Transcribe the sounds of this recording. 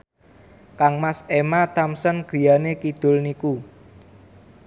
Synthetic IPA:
kaŋmasemat̪amsənɡ̥ɾi̤janekid̪̥ʊ̤lniku

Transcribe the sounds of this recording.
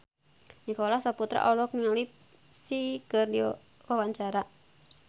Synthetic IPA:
nikɔlahsaput̪ɾa̰ʔɔlɔk̚niŋlip̚ | sikərdi | wawaɲt͡ʃaɾa

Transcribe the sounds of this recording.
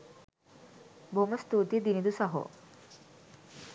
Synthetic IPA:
bʱoməst̪ut̪id̪inid̪usaɦo̰

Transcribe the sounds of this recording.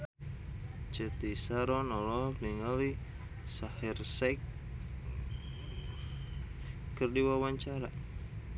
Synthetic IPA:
t͡ʃət̪isaɾɔnɔlɔliŋali | sahirsɛk | kɨrdiwawaɲt͡ʃaɾa

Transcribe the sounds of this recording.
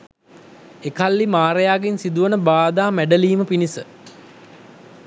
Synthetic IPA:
ekalːimaːɾəjaːɡensid̪uʋənəbaːd̪aːmæɖəliːməpinisə

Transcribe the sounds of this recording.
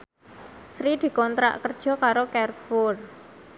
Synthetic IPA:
sɾid̪̥i̤kɔnt̪ɾa̰ʔkərd̥ʒ̥ɔ̤kaɾokɛrfʊr

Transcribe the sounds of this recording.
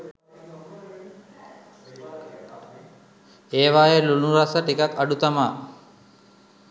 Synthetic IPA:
eːʋaːjeluluɾasəʈikakaɖut̪amaː

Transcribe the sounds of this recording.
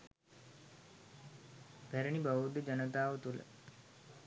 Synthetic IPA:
b̥æɾəɳibaʋud̪əd͡ʒənət̪aːʋət̪ulə̰

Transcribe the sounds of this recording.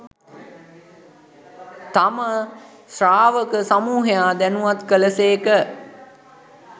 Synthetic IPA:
t̪amə | sraːʋəkəsamuːɦejaːd̪ænuʋat̪kələseːkə

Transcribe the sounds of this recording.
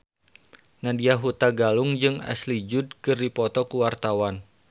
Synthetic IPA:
nadiaɦut̪aɡalʊŋd͡ʒɨŋa̰slid͡ʒʊd̚kɨrdipɔt̪ɔkuwart̪awan

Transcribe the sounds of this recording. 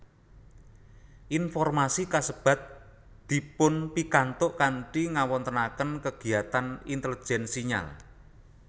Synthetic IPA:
ʔinfɔrmasikasəb̥a̤t̪̚ | d̪̥i̤pʊnpikant̪ʊʔkaɳʈiŋawɔnt̪ənakənkəɡ̥i̤at̪anint̪ələ̥d͡ʒʒ̥ɛnsiɲa̰l

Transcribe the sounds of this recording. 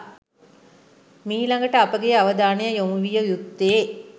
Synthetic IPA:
miːlaŋɡəʈəapəɡejaʋəd̪aːnejəjomuʋijəjukt̪ːee

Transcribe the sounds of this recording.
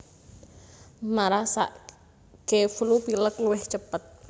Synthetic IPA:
maɾasa̰ʔ | keflupiləkluwɪht͡ʃəpət̪̚

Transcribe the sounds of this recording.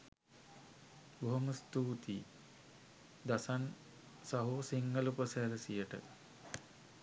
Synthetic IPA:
boɦoməst̪uːt̪i | d̪asan | saɦoːsiŋɡəlupəsɛɾəsijəʈə̰

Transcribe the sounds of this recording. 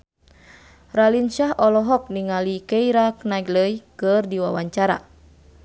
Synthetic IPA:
ralinʃaɦʔɔlɔɦɔk̚niŋalikejɾaknaɡləjkɨrdiwa̰waɲt͡ʃaɾa̰

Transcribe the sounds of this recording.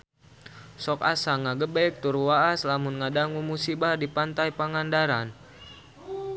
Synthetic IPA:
sɔka̰saŋaɡəbɛk̚t̪urwaːslamunŋadaŋumusibardipant̪ajpaŋandaɾan

